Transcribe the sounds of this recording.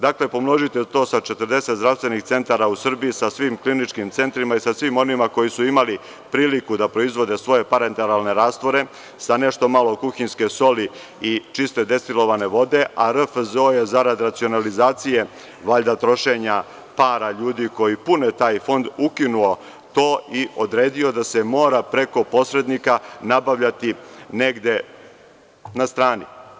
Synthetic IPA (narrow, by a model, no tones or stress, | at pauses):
d̪akle̞po̞mno̞ʒit̪et̪o̞ːsat͡ʃet̪əɾ̩d̪e̞set̪zd̪ɾafst̪ʋenixt̪se̞nt̪aːɾausr̩biisasʋimklinit͡ʃkimt̪se̞nt̪ɾimaisasʋimo̞nimako̞jisuimali | pɾiːlikud̪apɾo̞izʋo̞d̪e̞sʋo̞je̞paɾent̪elalˠne̞ɾaːst̪ʋo̞ɾe̞ | sane̞ʃt̪o̞malo̞kuxinske̞so̞li | it͡ʃist̪e̞d̪e̞st̪ilˠo̞ʋane̞ʋo̞d̪e̞ʔaɾəfzojezaɾad̪ɾat̪sio̞nalizaːt̪sije | ʋaːʎd̪at̪ɾo̞ʃeɲa | paːɾaʎuːd̪iko̞jipunet̪aːjfo̞nd̪ukinuo̞ | t̪o̞ːiod̪ɾeːd̪io̞d̪asemo̞ːɾapɾe̞ko̞po̞sɾe̞d̪nikanabaʋʎat̪ineɡd̪e̞ | nast̪ɾaːnḭ